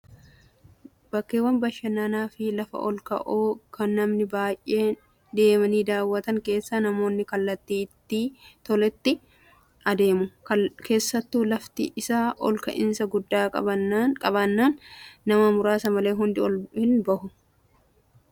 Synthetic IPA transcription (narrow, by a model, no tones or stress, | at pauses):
b̥ɐkːeːwːɐnbɐʃɐnːaːnaːfɪlɐfɐ̰ʔɔ̰lkɐ̰ʔoːkɐnːɐmnɪbaːjʔe̞ː | d̪e̞ːmɐniːd̪aːwːɐt̪ɐŋke̞ːsːɐnɐmo̞ːnːɪkɐlːɐt̪ːiːt̪ːiːt̪ɔlɛt̪ːɪ | ʔɐd̪e̞ːmʊkʰe̞ːsːɐt̪ːuːlɐft̪ɪ̰ʔɪsaːʔɔ̰lkɐ̰ʔɪnsɐɡʊd̪ːaːkʼɐ̰bɐkʼɐbɐnːaːnːɐmɐmʊɾaːsɐmɐle̞ːɦʊnd̪ɪɔlhɪnbɐhʊ